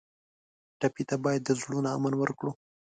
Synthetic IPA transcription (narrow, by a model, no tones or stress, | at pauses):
ʈapit̪abɑjad̪ːəzɽunaa̰manwəɾkɽu